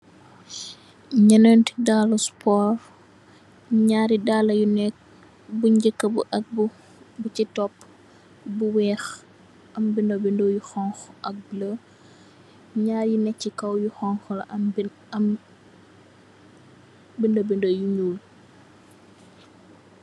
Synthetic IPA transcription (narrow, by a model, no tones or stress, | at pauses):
ɲɐnəntidaːluspɔːɾ | ɲaːɾidalɐjunɛk̚ | buɲɟəkːəbuʔɐk̚b | but͡ʃitɔpː | buwɛːx | ʔɐmbindobindojuxɔŋxʔɐk̚blə | ɲaːɾjinɛk̚cːikɐwjuxɔŋxɔlɐʔ | bindobindojuɲuːl